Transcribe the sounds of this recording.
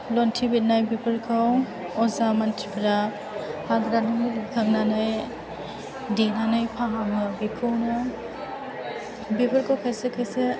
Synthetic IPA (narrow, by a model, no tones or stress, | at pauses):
lɔntʰibit̚najbipʰɯɾkʰaw | ɔzamantɾipʰɾap̚ | hadɾanuŋilikʰaŋnanɯj | dinanɯjpʰaɦaŋɯbikʰownɯ | bipʰɯɾkʰawkʰajsekʰajse